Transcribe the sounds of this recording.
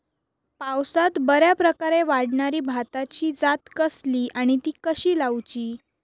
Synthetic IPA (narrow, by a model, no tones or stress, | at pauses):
pawsat̪bəɾjapɾəkaɾeʋaɽɳaɾiːbʱat̪at͡ɕiːd͡zat̪kəsliːʔaɽ̃it̪iːkəɕiːlawt͡ɕiː